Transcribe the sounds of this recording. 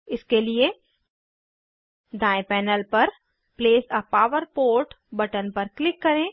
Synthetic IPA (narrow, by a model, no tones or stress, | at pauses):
ɪskelie | d̪aːẽpɛːnəlpɐɾ | pleːsɔpaːʋəɾpoːɾʈ | bɐʈənpɐɾklɪkːɐɾẽː